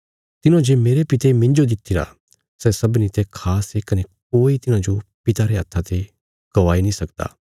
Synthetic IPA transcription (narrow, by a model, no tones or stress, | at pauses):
t̪ɪnõd͡ʒeːmeːɾepɪt̪emɪ̃nd͡ʒod̪ɪt̪ʰːiɾa̰ | sɛsɐbnit̪ekʰaːsekɐnek̚oːit̪ɪnãd͡ʒopɪt̪aɾeɐt̪ʰːat̪e | ɡ̥ɐʋaːinĩsɐkd̪a̰ː